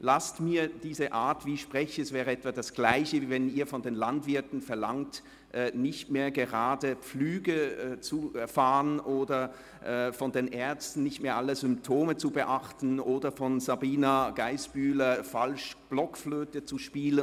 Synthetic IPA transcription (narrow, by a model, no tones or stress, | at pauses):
lastmiːɐd̥iːzəʔaːɐtv̥iːʃpʁ̥ɛçəɛsv̥ɛːʁəɛtv̥adasɡ̥laɪçəvɛniːɐfɔndeːnlantv̥ɪɐtn̩fɛɐlaŋt | ʔɛːnɪçtmeːɐɡəʁaːdəp͡flyːɡəɛt͡sufaːʁənʔoːdɐ | ʔɛːfɔndeːnʔɛɐt͡stn̩nːɪçtmeːɐʔaləzʏmptʰoːmət͡subəʔaχtn̩ʔoːdɐfɔnzabiːnaɡ̥aɪsb̥yːlɐfalʃb̥lɔkfløːtət͡suʃpiːlən